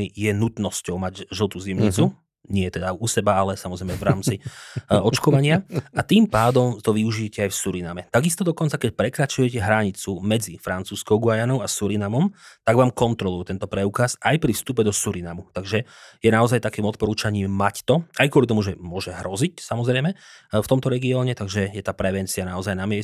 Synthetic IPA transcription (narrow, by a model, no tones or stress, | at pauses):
ijɛnut̪nɔscɔʊmaɟʒl̩ˠt̪uzimɲit͡su | ɲɪɛt̪ɛd̪ausɛbaalɛsamɔzɾɛjmɛvɾaːmt͡siɔt͡ʃkɔʋaɲɪaat̪impaːd̪ɔmt̪ɔʋiuʒiɛcɛajfsuɾinamɛt̪aɡist̪ɔd̪ɔkɔnt͡sakɛc̚pɾɛkɾat͡ʃujɛcɛɦɾaɲit͡sumɛd͡zifɾant͡suːskɔʊɡʊajanɔʊasuɾinamɔmt̪aɡʋaːmkɔnt̪ɾɔlˠujɛt̪ɛnt̪ɔpɾɛukasajpɾifst̪upɛd̪ɔsuɾinamut̪aɡʒɛjɛnaɔzajt̪akiːmɔt̪̚pɔɾuːt͡ʃaɲiːmact̪ɔajkʊɔlit̪̬ɔmuʒɛmʊɔʒɛɦɾɔzicsamɔzɾɛjmɛft̪ɔmt̪ɔɾɛɡiɔːɲɛt̪aɡʒɛjɛt̪aːpɾɛʋɛnt͡sianaɔzajnamɪɛ